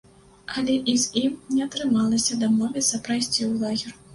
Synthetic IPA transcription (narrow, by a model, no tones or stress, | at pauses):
ɐlʲɛʔizʲimnʲɛɐt̪ɾɨmalˠɐsʲɐd̪amɔvʲɛsɐpɾajsʲt͡sʲiwlˠaɣʲɛr